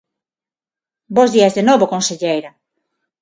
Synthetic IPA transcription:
bozðiɐzðenoβokonseʎejɾa

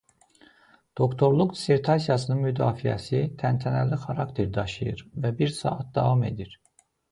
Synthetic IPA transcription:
d̪̥o̞kt̪ʰo̞ɾlˠukd̪i̥se̞ɾt̪ʰɑsijɑsɯnɯnmyd̪ɑːfijæ̰sit̪ʰænt̪ʰænælixɑɾɑkt̪ʰe̞ɾd̪ɑʃɯjɯɾvæbiɾsɑ̰ːɑt̪̚d̪ɑvɑme̞̰d̪iɾ

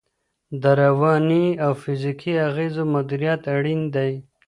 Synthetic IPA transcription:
d̪aɾawɑːniawfizikʰiaɣeːzomad̪uɾijɑt̪aɽind̪aj

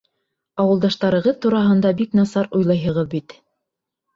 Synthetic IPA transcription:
ɑwɤ̆lˠd̪ɑʃt̪ɑɾɤ̆ʁɤðt̪uɾɑɦɤ̆nd̪ɑbiknɑsɑɾujlˠɑjɦɤ̆ʁɤðbit̪

